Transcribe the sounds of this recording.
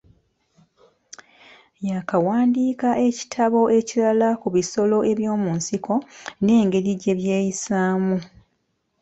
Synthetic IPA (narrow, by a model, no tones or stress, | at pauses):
jakawaːndiːkaʔe̞ci̥tʰaβo̞ʔe̞cilalakuβiso̞lo̞e̞βjo̞ːmuːnsiko̞ne̞ːŋɡe̞ɾiɟe̞βje̞ːjisaːmu